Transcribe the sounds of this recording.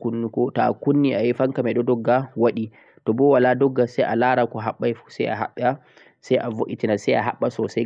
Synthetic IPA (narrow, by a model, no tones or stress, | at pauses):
kunːukɔta̰kunːiajifaŋkamɛɗɔdɔɡːawaɗi | tɔbɔwaladɔɡːasɛjʔalaɾakɔɦaɓːajfu̥sɛ̰jaɦa̰ɓːa | sajʔavoʔitinasɛjaɦa̰ɓːasɔsɛ